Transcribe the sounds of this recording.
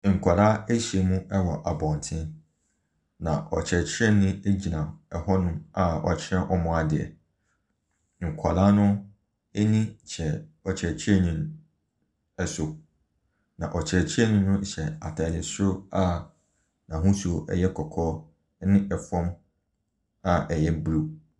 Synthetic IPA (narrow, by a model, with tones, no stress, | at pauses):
ŋ̩˨kʷʰa˨ɾaː˦e˦ɕi˨e˨mũ˦ɛ˦wɔ˨ʔa˨bɔ̃˨n˨tʰɪ̃˦n | nã̰˨ʔɔ˨t͡ɕʰɛ˨t͡ɕʰɪ˦ɛ̃˦nɪ̃˦e˦d͡ʑi˨nã˨ɛ˨hɔ˦nʊ̃˦ma˨ɔ̰˨t͡ɕʰɛ̃˦ʔɔ˦mʊ̃˨a˨dɪ˨ɛ̰˨ | ŋ̩˨kʷʰa˨la˦nʊ̃˦ | ɛ˦nĩ˦˨t͡ɕʰɛ˨ɔ˨t͡ɕʰɛ˨t͡ɕʰɛ˦˨nĩ˨m | ɛ˦so˨ | nã̰˨ʔɔ˨t͡ɕʰɛ˨t͡ɕʰɛ˦nʊ̃˦nʊ̃˦ɕɛ˨a˨tʰa˨dɪ˨sʊ˦ʊ˦a˦ | nã˨ɦũ˦su˨o˨ʔɛ̰˦jɛ˦kʰɔ˨kʰɔː˦ | nɪ̃˦ʔɛ˨fɔ̃˦m | a˨ʔɛ˨jɛ˦bɾu˦